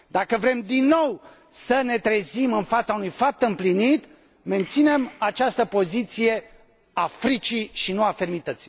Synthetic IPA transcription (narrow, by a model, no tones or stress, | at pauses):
d̪akəvɾe̞md̪inːo̞w | səne̞t̪ɾezimɨnfat̪saunujfap̚t̪ɨmplinit̪ | me̞nt̪sine̞mat͡ʃast̪əpo̞zit̪sije̞ | afɾit͡ʃiʃinuafe̞rmit̪ət̪si̥